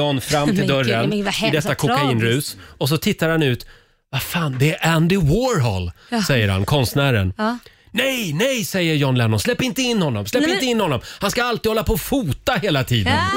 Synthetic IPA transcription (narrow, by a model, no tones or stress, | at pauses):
ɔnfɾamːt̪ʰɪd̪œɾənɪd̪ɛsːakʰʊkaiːnɾʉ̟ːsɔs̬ɔt̪ʰɪt̪ːaɾhanʉ̟ːt̪ | vafaːnd̪ɛæʔænd̪ɪwoːɾɦɔ̰lsɛjːəɾha̰nkʰɔnst̪næːɾə̰n | nɛjnɛjsɛjːəɾjɔnlɛnːɔslɛpːɪnt̪əɪnːhɔnːɔmslɛp̪ːɪnəɪnːhɔnːɔmhanskaalt̪iːd̪hɔlːapʰɔfuːt̪ːaheːlat̪ʰiːd̪ə̰n